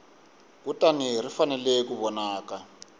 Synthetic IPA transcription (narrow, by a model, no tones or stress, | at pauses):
kutanir̤ifanɛlɛkuβɔnaːka